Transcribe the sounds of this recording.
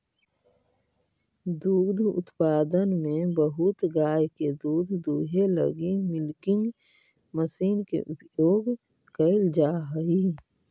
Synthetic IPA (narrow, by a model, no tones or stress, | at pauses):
d̪uːd̪ʱʊ̰t̪paːd̪ənmẽbəɦʊt̪ɡaːjked̪uːd̪ʱd̪uːɦelə̰ɡimɪlkɪ̃ŋɡ | məsiːnkḛʔʊpjoːɡ | kəld͡ʒaːɦəi